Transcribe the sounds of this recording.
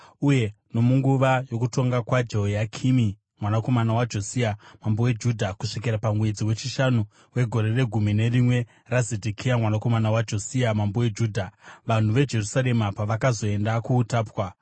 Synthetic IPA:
uje̞ | no̞muŋɡuʋajo̞kuto̞ŋɡakwad͡ʒeojakʰimi | mwanako̞manawad͡ʒo̞siamambo̞we̞d͡ʒudʱakuʂikiɾapamwe̞d͡ziwe̞t͡ʃiʃanu | we̞ɡʱo̞ɾe̞re̞ɡʱumine̞rimwe̞ | razedʱikʰijamwanako̞manawad͡ʒo̞siamambowed͡ʒuːdʱaʋan̤uʋe̞d͡ʒe̞rusaɾe̞mapaʋakazo̞e̞ndakuːtaːpwa

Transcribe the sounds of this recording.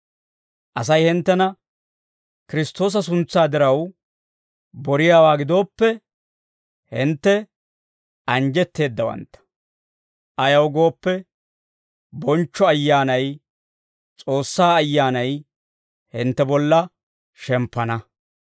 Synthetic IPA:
ʔɐs̬ɐjhɪnt̪ːɛnɐ | kɪɾɪst̪o̞ːs̬ɐs̬ʊnt͡sːaːd̪ɪɾɐw | bɔɾɪjaːwaːɡɪd̪o̞ːpːɛ | hɪnt̪ːɛ | ɐnd͡ʒɛt̪ːe̞ːd̪ːɐwɐ̰nt̪ːɐ̥ | ʔɐjɐwɡo̞ːpːɛ | bɔnt͡ʃːɔɐjːaːnɐj | t͡sʼo̞ːsːaːɐjːaːnɐj | hɪnt̪ːɛbɔlːɐ | ʃɛmpːɐnɐ

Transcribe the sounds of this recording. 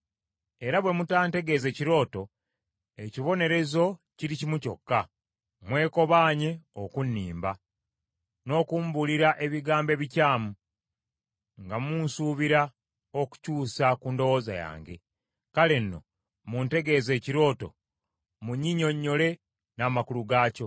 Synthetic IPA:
e̞ɾaβwe̞mutaːnte̞ɡe̞ze̞ːciɾo̞ːto̞ | e̞ciβo̞ne̞ɾe̞zo̞ciɾicimuco̞̰kːa | mwe̞ːko̞βaːɲe̞okunːiːmba | no̞ːkuːmbuliɾaʔe̞βiɡaːmbe̞βicaːmu | ŋɡamunsuːβiɾa | o̞ku̥cuːsakuːndo̞wo̞ːza̰ja̰ːŋɡe̞̰ | kale̞nːo̞̰ | munte̞ɡe̞ːze̞ːciɾo̞ːto̞̰ | muɲːiɲo̞ɲːo̞le̞ | naːmakuluɡaːco̞

